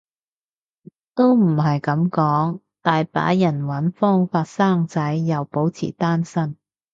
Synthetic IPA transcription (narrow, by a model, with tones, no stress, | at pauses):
t̪o˥wm̩˨˩ɦɐ˨jkɐ˨˥mkɔː˨˥ŋ | t̪aː˨jpa̰ː˨˥jɐ˨˩nwɐ˨˥nfɔː˥ŋfaː˧t̚saː˥˩ŋt͡sɐ˨˥jːɐ˨wpo˨˥wt͡sʰḭː˨˩t̪aː˥nsɐ˥n